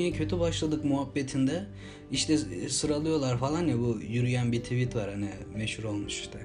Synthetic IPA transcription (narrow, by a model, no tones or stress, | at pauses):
jɛcʰø̞t̪ʰybaʃlˠad̪ɯkmuɦabːet̪ʰind̪ɛ | iʃt̪ʰɛsɯɾalˠɯjo̞lˠaɾfalˠanjabujyɾyjænbiɾt̪ʰivit̪vaɾhani | mɛʃhuɾo̞lˠmuʃi̥ʃt̪ʰɛ